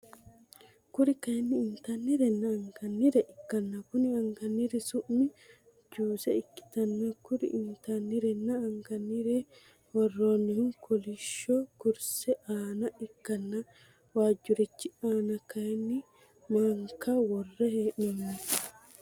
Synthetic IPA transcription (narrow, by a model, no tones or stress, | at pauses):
kʊɾɪkɐjɛnːɪːnt̪anːɪɾɛnːɐːŋɡɐnːiɾɛʔɪkːɐnːɐkʊnɪɐŋɡɐnːiɾɪsʊʔmɪ | d͡ʒuːsɛ̰ɪkːɪ̥t̪ɐnːɐkʊɾɪ̰ʔɪnt̪anːɪɾɛnːɐːŋɡɐnːiɾɛ | wɔrːoːnːɪhʊŋkʰɔlɪʃokʊɾsɛʔaːnɐʔɪkːɐnːɐ | waːd͡ʒːʊɾɪt͡ʃːɪaːnɐkɐjɛnːɪ | maːŋkawɔrːɛheːʔnɐmnɪ